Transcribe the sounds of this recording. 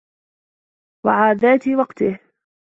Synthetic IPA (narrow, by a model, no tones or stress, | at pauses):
waʕaːðaːt̪ɪwɑqt̪ɪh